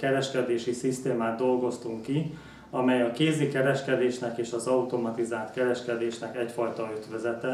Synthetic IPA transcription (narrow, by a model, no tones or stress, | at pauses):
kɛɾɛʃkɛd̪eːʃisist̪eːmaːt̪̚d̪o̞lɡo̞st̪uŋkːi | ɒmɛjɒkeːzikɛɾɛʃkɛd̪eːʃnɛkeːʃɒzɒut̪o̞mɒt̪izaːlt̪kɛɾɛʃkɛd̪eːʃnɛkɛcfɒjt̪ɒyd̪ʋɛzɛt̪ɛ